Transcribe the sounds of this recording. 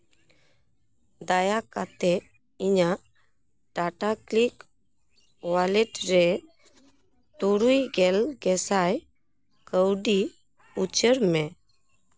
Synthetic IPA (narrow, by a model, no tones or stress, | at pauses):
d̪ajakat̪ɛ | iɲa | ɖaʈaklik | walɛʈɾɛ | t̪uɾujɡɛlɡɛsaj | kəwɖi | ut͡ɕəɾmɛ